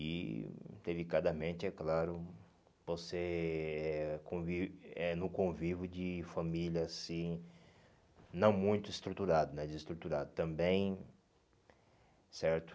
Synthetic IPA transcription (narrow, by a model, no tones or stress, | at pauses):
ḭd̪̥elikad̪ɐmẽnt̪ɪɛklaɾʊ | voseɛkõviɛnʊ̃kõvivʊd͡ʒɪfɐmiljɐːsĩ | nɐ̃w̃mũj̃t̪ʊist̪ɾut̪uɾad̪ʊnɛ̃d͡ʒɪist̪ɾut̪uɾad̪ʊt̪ɐ̃mbẽj̃ | sɛɾt̪ʊ̥